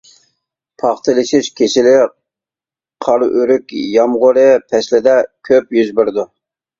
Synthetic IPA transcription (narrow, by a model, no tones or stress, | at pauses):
pʰɑχt̪ʰɨlˠɨʃiʃkʲʰeʃɪlɪ | qʰɑɾyɾykʲjɑmʁʊɾɨpʰɛʃlɪd̪ɛkʲʰøpjyzbyɾd̪u